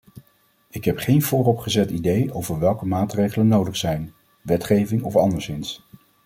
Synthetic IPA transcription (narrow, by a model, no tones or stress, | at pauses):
ɪkɦɛpχejnv̥ʊːrɔpχəzɛtidejowvəɹʋɛlˠkəmaːtrejχələnowdəχsɛjn | ʋɛtχejvɪŋɔfɑndəɹsɪns